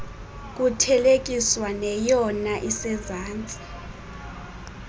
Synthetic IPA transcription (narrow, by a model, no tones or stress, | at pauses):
k̬ʼutʰɛlek̬ʼiswanɛjɔnaʔisɛzaːnt͡sʼi̥